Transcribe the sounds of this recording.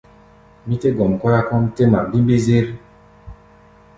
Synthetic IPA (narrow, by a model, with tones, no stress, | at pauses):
mi˦te˦ɡɔ˨m˨kwa˦ɾa˦kɔ˦mte˦ma˨bi˦mbe˦ze˦ɾ